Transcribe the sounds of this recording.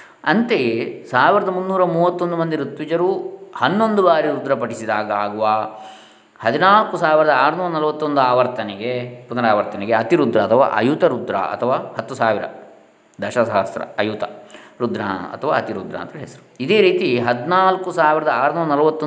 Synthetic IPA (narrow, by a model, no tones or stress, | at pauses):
ɐnt̪esaːʋiɾɐd̪ɐmunːuːɾɐmuːʋɐt̪ːond̪umɐnd̪iɾut̪ʋid͡ʒɐɾuhɐnːond̪ubaːɾiɾud̪ɾɐpɐɽisid̪aːɡaːɡuʋaː | hɐd̪inaːlkusaːʋiɾɐd̪ɐaːɾɐnuːɾɐnɐlɐʋɐt̪ːond̪uaːʋɐɾt̪ʰɐnɛɡepunɐɾaːʋɐɾt̪ʰɐnɛɡeɐt̪iɾud̪ɾɐːt̪ʰɐʋa̰ːʔɐ̰jut̪ɐɾud̪ɾa̰ɐ̰t̪ʰɐʋaːhɐt̪ːusaːʋiɾɐ̰ | d̪ɐʃɐsaːst̪ɾɐ̰ɐjut̪ɐ̰ɾud̪ɾɐ̰ɐ̰t̪ʰɐʋa̰ːɐt̪iɾud̪ɾɐ̰ːnt̪ɐɾeɦesɐɾuid̪e̞ːɾiːt̪iɦɐd̪inaːlkusaːʋiɾɐd̪ɐaːɾɐnuːɾɐnɐlɐʋɐt̪ːo